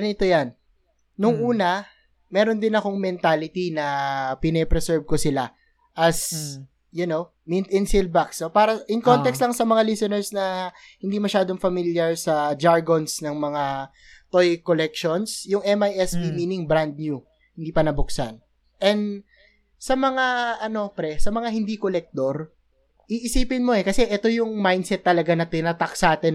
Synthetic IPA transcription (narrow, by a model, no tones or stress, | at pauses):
ɐnɪt̪ojanː | ʊŋʔuːnɐ | mɛːɾond̪ɪnɐko̞ŋmɛnt̪aːlɪt̪inɐpɪnɛpɾɛsɛɹb̚kosɪla | ʔɐs | jʊnow | mint̪ɪnsilbaksopaːɾɐɪŋko̞nt̪ɛkst̪lɐŋsɐmɐŋalisɛnɛɹsnɐ | hɪnd̪imɐʃaːd̪oŋfɐmiljaɹsɐd͡ʒaɹɡonsnɐŋmɐŋa | t̪ojkolɛkʃonsjʊŋʔɛmajɛspimiːnɪŋbɾand̪̚ɲu | hɪnd̪iːpɐnɐbʊksɐ̰n | ʔɛnd̪ | sɐmɐŋaʔɐno̞pɾɛsɐmɐŋaɦɪnd̪ikolɛk̚t̪oɾ | ʔiʔɪsiːpɪnmo̞ɛkɐsɛʔɛt̪o̞jʊŋmajnd̪sɛt̪ːɐlɐɡanɐt̪ɪnat̪ɐksaːt̪ɛ